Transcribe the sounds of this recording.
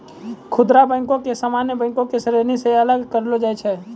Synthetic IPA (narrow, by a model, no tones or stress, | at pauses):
kʰʊd̪ɾabə̃ɪ̃ŋkõkesamanjəbə̃ɪ̃kõkesəɾeɾnisẽələɡkəɾlod͡ʒajt͡ʃʰɛ